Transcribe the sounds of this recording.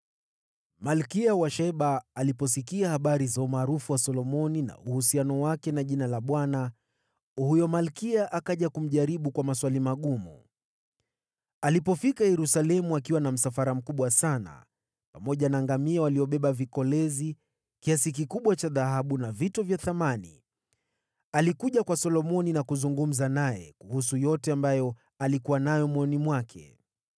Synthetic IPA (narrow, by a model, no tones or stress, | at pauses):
malkiawaʃɛɓaːlipɔs̬ikiahaɓaɾizaumaːɾufuwasɔlɔmɔnina̰uhusianɔwakɛnaʄinalaɓwana | hujɔmalkiaʔakaʄakum̩ʄaɾiɓukwamaswalimaɠumṵ | alipɔfikajɛɾusalɛmuakiwanam̩safaɾam̩kuɓwasana̰ | pamɔʄanaːŋɡamiawaliɔɓɛɓavikɔlɛzi | kiasik̬ikuɓwat͡ʃaðaɦaɓunavitɔvjaθamanḭ | alikuʄakwasɔlɔmɔninakuzuŋɡum̩zanajɛ̰kuhusujɔtɛambajɔ | alikuwanajɔmwɔnimwakʰɛ̰